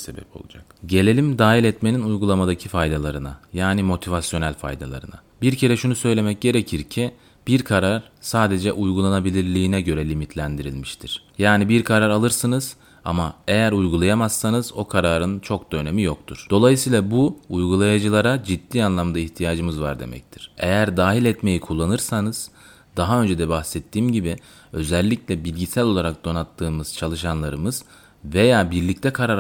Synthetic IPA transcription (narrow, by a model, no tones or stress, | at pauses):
sebɛ̰pʰo̞̰lˠud͡ʒakɟe̞lʲe̞lʲimd̪aːɦilʲɛt̪me̞ninujɡulˠamad̪acʰifajd̪alˠaɾɯna̰jaːnimo̞t̪ʰivasjo̞nælʲfa̰jd̪a̰lˠa̰ɾɯna̰ | biɾcʰe̞ɾɛʃunusø̞jlʲe̞mɛc̚ɟe̞ɾe̞cʰiɾcʰi | b̥iɾkʰaɾaɾ | saːd̪e̞d͡ʒɛʔujɡulˠanabilʲiɾlʲiːnɛɟø̞ɾɛlʲimit̪ʰlʲænd̪iɾḭlʲmiʃt̪ʰiɾ̥jaːnibiɾkʰaɾaɾalˠɯɾsɯnɯz̥ | a̰mae̞jæɾujɡulˠajamassanɯz̥o̞kʰaɾaːɾɯnt͡ʃʰo̞kd̪ø̞ne̞mijo̞k̚t̪ʰuɾ̥d̪̥o̞lˠajɯsɯjːlˠabuujɡulˠajad͡ʒɯlˠaɾad͡ʒid̪ːiːanlˠamd̪aiçt̪ʰijaːd͡ʒɯmɯzva̰ɾd̪e̞̰mɛ̰c̚t̪ʰiɾ̥e̞̰jæɾd̪aːɦilʲɛt̪me̞jikʰulˠːanɯɾsanɯz̥ | d̪̥aɦaø̞nd͡ʒɛd̪ɛbaxsɛt̪ːiːmɟibi | ø̞zɛlʲːiclʲɛbilʲɟisælʲo̞lˠaɾak̚d̪̥o̞nat̪ʰːɯːmɯz̥t͡ʃʰalˠɯʃanlˠaɾɯmɯz̥ | ve̞jaːbiɾlʲic̚t̪ʰɛkʰaɾaɾ